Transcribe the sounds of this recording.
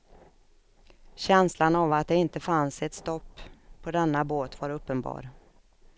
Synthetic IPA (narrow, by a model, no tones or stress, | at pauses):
ɕɛnslanavat̪̚d̪ɛɪnt̪əfansɛt̪st̪ɔpːʰɔd̪ɛnːaboːt̪vaɾɵpːənbɑ̰ːɾ